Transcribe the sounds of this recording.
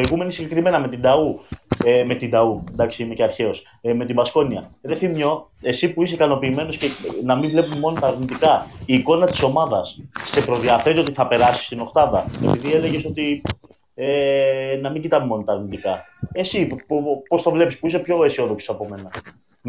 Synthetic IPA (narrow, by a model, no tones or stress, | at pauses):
iɣume̞nisiɲɟe̞kɾime̞nɐme̞t̪ind̪ɐueme̞t̪ind̪ɐund̪ɐksiimeceɐɾçe̞o̞s | me̞t̪ibɐsko̞niɐðeθimɲo̞e̞sipuis̬ekɐno̞piːme̞noscenɐmiɱvle̞pumemo̞not̪ɐːɾnit̪ikɐiːko̞nɐt̪i̥so̞mɐðɐsste̞pɾo̞ðiɐfeɾio̞t̪iθɐpe̞ɾɐsi̥st̪ino̞xt̪ɐðɐe̞piðie̞le̞ʝe̞so̞t̪i | enɐmiɲɟit̪ɐmemo̞not̪ɐːɾnit̪ikɐ | e̞sippo̞st̪ovle̞pispuis̬epço̞esio̞ðo̞kso̥sɐpo̞me̞nɐ